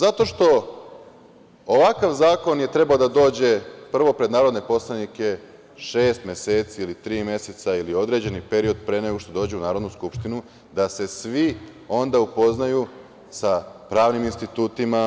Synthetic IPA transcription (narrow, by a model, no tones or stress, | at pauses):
zat̪o̞ʃt̪o̞ | oʋakaʋzaːko̞nje̞t̪ɾe̞baod̪ad̪o̞ːd͡ʑe̞pr̩ʋo̞pɾe̞d̪naːɾo̞d̪ne̞po̞slˠanike̞ | ʃe̞ːst̪mʲje̞seːt̪siilit̪ɾiːmje̞set̪sailio̞d̪ɾe̞d͡ʑe̞nipe̞ɾio̞d̪̚pɾe̞neɡoʃt̪od̪o̞ːd͡ʑeunaːɾo̞d̪nuskupʃt̪inu | d̪ase̞sʋi | o̞nd̪aupo̞znaju | sapɾaːʋniminst̪it̪uːt̪ima